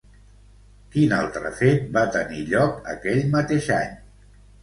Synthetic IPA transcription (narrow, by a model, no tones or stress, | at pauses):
kina̰lˠt̪ɾə̰fet̪̚bat̪əniʎɔkə̰kɛʎmət̪eʃa̰ɲ